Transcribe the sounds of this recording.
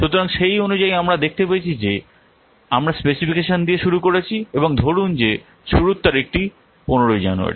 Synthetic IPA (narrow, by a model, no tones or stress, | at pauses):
ʃut̪oɾaŋʃejonud͡ʑaiamɾad̪ek̚ʰt̪epaet͡ɕʰid͡ʑe | amɾaspesifikeʃond̪ieʃuɾukoɾet͡ɕʰieboŋd̪ʱoɽund͡ʑe | ʃuɾut̪ːaɾek̚ʈi | poneɾojd͡ʑa̰nṵa̰ɾḭ